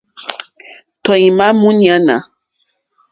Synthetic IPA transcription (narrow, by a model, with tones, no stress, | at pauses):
tɔ˨ĩ˨mã˦mũ˦nĩ˨ã˨˦nã̰˨˦